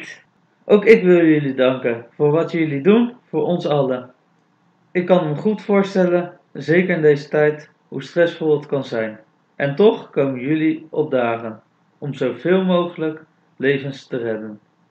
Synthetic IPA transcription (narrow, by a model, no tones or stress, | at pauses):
ʔowkɪkʋɪlˠjɵlidɑŋkənv̥ʊːɹʋɑtjɵlidunv̥ʊːɹʔɔnsɑlə | ɪkːɑnɦəχutfʊːɹstɛlən | zejkəɹɪndejzətɛjt | ɦustrɛsfɔlˠətkɑnzɛjn | ʔɛntɔχkowmənjɵliɔb̚daːχən | ɔmzowv̥ɪːlˠmowχələk | lejvənstərɛdən